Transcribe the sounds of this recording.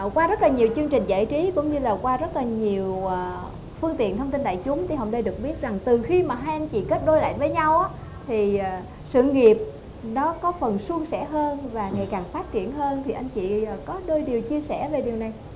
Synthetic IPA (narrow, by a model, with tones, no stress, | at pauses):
kwaː˧zə˦˥t̚laː˨˩ɲi˨˩əwt͡ɕɨ˧əŋt͡ɕï˨˩ŋ̟za̰ː˧˨jt͡ɕi˨˦kʊ̰˧˥ŋ͡mɲɨ˧laː˨˩kwaː˧zə˦˥t̚laː˨˩ɲi˨˩əwː | fɨ˧əŋt̪ḭ˧˨ənt̪ʰwŋ͡mt̪i˧nɗa̰ː˧˨jt͡ɕʊ˨˦mt̪ʰi˧˩ɦə̰˧˨ŋ͡mɗə˧ɗɨ˨˩k̚ɓi˦˥ət̚za˨˩ŋt̪ɨ˨˩xi˧maː˨˩ɦaː˧jʔa˧nt͡ɕḭ˧˨ke˦˥t̚ɗo˧jla̰ː˧˨jvəː˨˦jɲa˧wʔaː˨˦˥ | t̪ʰiː˨˩˨ | sɨ̰˧˨ŋi˨˩əp̚ | nɔ˨˦kɔ˨˦fə˨˩nsu˧əŋsɛ̰˧˩˥ɦəː˧nvaː˨˩ŋa˨˩jkaː˨˩ŋfaː˦˥t̚t͡ɕi˧˩ənɦəː˧nt̪ʰi˨˩ʔa˧jŋt͡ɕḭ˧˨˩kɔ˨˦ɗəː˧jɗi˨˩əwt͡ɕi˧əsɛ̰˧˩ve˨˩ɗi˨˩wna˨˩j